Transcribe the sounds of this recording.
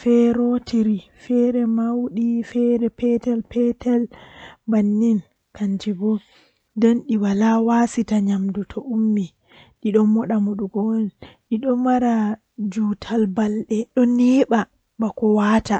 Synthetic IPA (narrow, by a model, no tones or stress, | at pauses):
fɛɾotiɾifɛɾɛmawɗifɛɾɛpɛtɛlpɛtɛlbanːin | kaɲd͡ʒibɔ | dɛnɗiwalawasitaɲamdutʰɔʔumːi | ɗiɗɔnmɔɗamuɗuɡɔlɗiɗɔmaɾa | d͡ʒutʰalbalɗɛɗɔniːɓa | bakɔwaːta